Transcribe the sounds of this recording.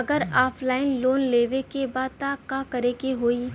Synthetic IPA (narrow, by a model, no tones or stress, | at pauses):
ɐɡəɾaːpʰlaːɪnloːnleːʋekebaːd̪̚t̪aːkakɐɾekeɦoːi